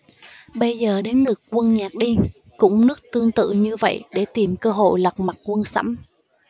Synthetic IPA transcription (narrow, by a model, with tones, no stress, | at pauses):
ɓə˧jzəː˨˩ɗe˨˦nlɨ˨˩kːkwə˧nɲaː˨˩k̚ɗi˧ | kʊ̰˧˥ŋ͡mnɨ˦˥ək̚t̪ɨ˧əŋt̪ɨ̰˧˨ɲɨ˧və̰˧˨jɗe˧˩t̪i˨˩mkəː˧ɦo̰˧˨jlə˨˩k͡p̚ma˨˩kwə˧nsa̰˧˥m